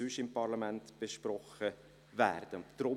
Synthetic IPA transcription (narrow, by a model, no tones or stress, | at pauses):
ʏʃɪmpɑɾlɑmæntb̥ɛʃpɾɔχə | væ̰ːɾd̥əd̪̥ɾʊ